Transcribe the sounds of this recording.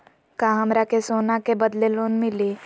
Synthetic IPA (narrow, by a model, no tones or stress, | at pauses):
kãːɦɐmɾakesoːnakebɐd̪leloːnmɪliː